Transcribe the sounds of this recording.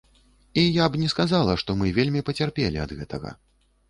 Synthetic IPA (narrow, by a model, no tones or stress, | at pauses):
ijabnʲɛskazalˠɐʂt̪ɔmɨvʲelʲmʲipɐt͡sʲarpʲelʲiɐ̰d̪ɣɛt̪ɐ̰ɣɐ̰